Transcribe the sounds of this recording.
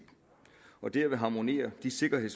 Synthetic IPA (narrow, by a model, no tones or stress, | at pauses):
ɒ̽d̥æɐʋe̝ɦɑ̈ːmo̝ne̝̰ːɐd̥ise̝ɡ̥ɐɦe̝ð̰s